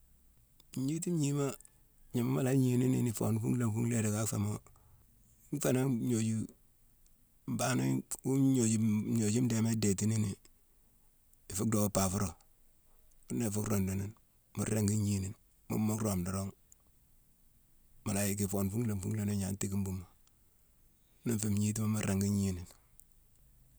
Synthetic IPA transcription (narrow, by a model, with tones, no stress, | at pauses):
ɲi˦ti˦m˦ɲi˦ma˦ | ɲi˨ma˦ma˨la˦ɲi˨ni˦nḭ˦ni˨fo˨nfṵ˦ŋla˨mfu˦ŋle˦de˨ka˦kfa˨mo˦ | ŋfa˦na˦ɲo˨d͡ʒi˦ | mba˦no˦u˦ɲo˨d͡ʒi˦ɲo˨d͡ʒi˦m˦de˨me˦de˨ti˦ni˦ni˨ | i˨fu˦k̚do˨pa˨fu˦ɾo˨ | u˦ne˨fu˦kɾo˨ndo˨ni˦n | mu˦ɾe˦ŋɡi˦ɲi˦ni˨n | mṵ˦mːo˦kɾo˨mdo˨ɾo˦ŋ | ma˨la˨ji˦k̬i˨fo˨nfu˦ŋle˨mfṵ˦ŋle˨no˦ɲa˨nti˦ki˦mbu˦ma˨˦ | no˦fe˨mɲi˦t̬i˦ma˦mu˦ɾe˨ŋɡi˦ɲi˦ni˨n